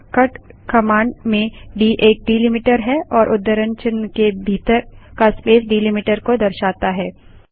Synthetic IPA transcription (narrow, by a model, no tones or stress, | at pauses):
kɐʈkɐmãːɳɖmẽɖiːʔeːk̚ɖiːlɪmɪʈəɾɦɛɔːɾʔʊd̪ːəɾə̃ɲt͡ʃənkebʱiːt̪əɾkaspeːsɖiːlimɪʈəɾkod̪ɐɾʃaːt̪aɦɛː